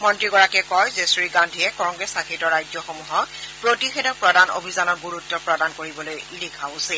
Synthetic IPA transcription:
mɔntɹiɡɔɹakɛkɔjzesɹiɡandʱiɛkɔŋɡɹɛsakʰitɔɹajzjɔxɔmuɦɔkpɹotixedɔpɹɔdano̰bʱizanɔɹɡuɹutːɔpɹɔdankoɹibɔlojlikʰaʊsɛ

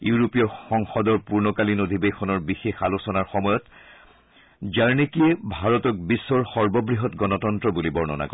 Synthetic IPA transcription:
juɹopijɔxɔŋxɔdɔɹpuɹnɔkalinodʱibexʰɔnɔɹbixexalusɔnaɹxɔmɔjɔt | zaɹnikijebʱaɹɔtɔk̚bisːɔɹxɔɹbɔbɹiɦɔtɡɔnɔtɔntɹɔbulibɔɹnɔ̰na̰kɔ

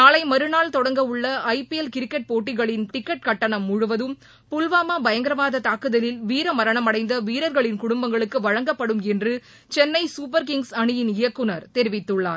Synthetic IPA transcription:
naːlɐɪmɐɾɯnaːlt̪ɔɽɐŋɡɐʊɭːɐɐɪpiɛlkɪɾɪkːɐʈ̚poːʈːɪɣɐɭɪnt̪ɪkːɐʈ̚kɐʈːɐɳɐmːʊɻʊʋɐðɯm | pʊlʋaːmaːbɐjɐŋɡɪɾɐʋaːðɐt̪aːkːɯðɐlɪlʋiːɾɐmɐɾɐɳɐmɐɽɐɪnd̪ɐʋiːɾɐɾɣɐɭɪnkʊɽʊmbɐŋɡɐɭɯkːɯʋɐɻɐŋɡɐpːɐɽɯmɛndrɯ | t͡ʃɛnːɐɪsuːp̬ɐɾkɪŋɡsɐɳɪjɪnɪjɐkːɯnɐɾt̪ɛɾɪʋɪt̪ːɯɭːa̰ːɾ

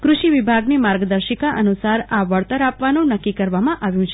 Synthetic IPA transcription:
kɾuʃiʋibʱaɡnimaɾɡəd̪əɾʃəkaʔənusaɾaʋəɭt̪əɾapʋanũnəkːikəɾʋamãʔaʋjũt͡ʃʰe

